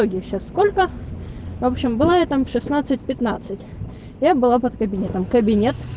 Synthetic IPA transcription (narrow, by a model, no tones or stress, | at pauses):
oɡʲɪjəɕːasːkolʲkə | vopɕɪmbɨlˠajat̪amfʂɨsnat̪sɨt̚ʲpʲɪt̪nat̪sɨtʲ | jabɨlˠapət̪kəbʲɪnʲet̪əmkəbʲɪnʲe̞t̪